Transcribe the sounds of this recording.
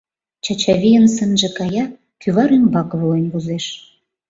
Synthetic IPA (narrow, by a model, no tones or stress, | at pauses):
t͡ɕɑt͡ɕɑβʲijənsə̆nʒĕkɑjɑ | kyβɑɾymbɑkβoenʲβuzeʃ